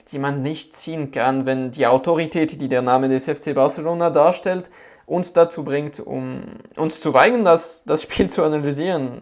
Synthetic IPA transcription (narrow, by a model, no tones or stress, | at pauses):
d̥iːmanːɪçt̚t͡siːənkʰanvɛndiːaʊtoʁitʰɛːtd̥iːdeːɐnaːmədɛsɛft͡seːbaɐsəloːnadaːɐʃtɛlt | ʔʊnsd̥at͡suːbʁɪŋtʊ̰mʔʊnst͡suvaɪɡəndasd̥asʃpiːlt͡suanalyziːʁən